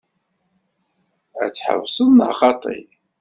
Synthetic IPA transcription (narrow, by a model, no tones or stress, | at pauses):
æ̰t͡sːħə̰vsˤənə̰χɑt̪ˤḭ